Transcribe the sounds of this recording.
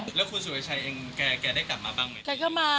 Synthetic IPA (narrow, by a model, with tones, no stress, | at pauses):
lɛː˦˥wkʰuː˧su˨˩˦ɐ˦jt͡ɕʰa˧jʔeː˧ŋkɛː˧kɛː˧da˥˩jka˨˩p̚maː˧baː˥˩ŋma˦ka˧˩kʰa˥˩wmaː˧